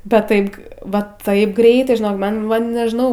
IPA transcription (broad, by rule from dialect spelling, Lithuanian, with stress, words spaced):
bʲɛt ˈtɐɪp ˈʋɐ ˈtɐɪp ˈɡrʲɛɪtɐɪ ʒʲɪˈnoːk ˈmɐn ˈmɐn nʲɛʒʲɪˈnɐʊ